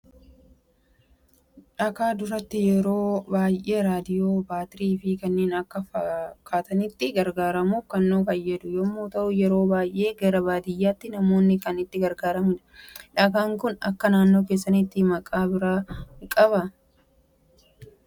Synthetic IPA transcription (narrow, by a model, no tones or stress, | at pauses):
ᶑɐkaːd̪ʊɾɐt̪ːɪjɛɾo̞ːbaːjʔe̞ːɾaːd̪ɪjo̞ːbaːt̪ɾiːfɪkɐnːeːnɐkːɐfɐkʰaːt̪ɐnɪt̪ːɪɡɐɾɡaːɾɐmufkɐnːoːfɐjːɐd̪ʊjɔmːoːt̪ɐʔʊjɛɾo̞ːbaːjʔe̞ːɡɐɾɐbaːd̪ɪjːaːt̪ːɪnɐmo̞ːnːɪkɐnɪt̪ːɪɡɐɾɡaːɾɐmɪᶑɐᶑɐkaːŋkʊnɐ̰kːɐnaːnːo̞ːkeːs̬ːɐnɪt̪ːɪmɐkʼaːbɪɾaːkʼɐbɐ